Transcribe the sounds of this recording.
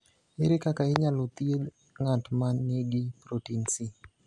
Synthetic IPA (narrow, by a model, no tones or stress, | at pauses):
eɾikakaiɲalut̪iel | ŋantmanːeɡipɾotinsi